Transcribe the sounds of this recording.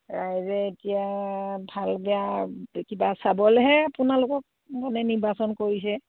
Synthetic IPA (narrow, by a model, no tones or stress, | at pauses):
ɹajzɛetijabʱalbɛakibasabɔlɛɦɛapʊnalʊkɔk̚ | mɔnɛniɹbasɔnkoɹis̬ɛ